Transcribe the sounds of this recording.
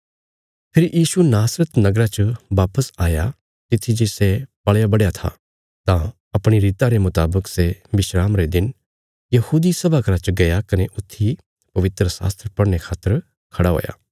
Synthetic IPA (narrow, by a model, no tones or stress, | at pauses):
pʰɪɾjʔiːsunaːsɾət̪nɐɡɾat͡ʃəʋaːpəsaːja | t̪ɪt̪ʰːid͡ʒeːsepɐɭjabɐɽjat̪ʰa̰ | t̪ã | ɐpɽ̃iɾiːt̪aɾemʊt̪aːbəkseʋɪʃɾaːmɾed̪ɪn | jɐhuːd̪isɐbʱakɾat͡ʃɡɐjakɐneʔʊt̪ʰːi | pɐʋɪt̪ɾəsa̰ːst̪ɾəpɐɽñekʰaːt̪ːəɾ | kʰɐɽaɦo̰ːja̰ː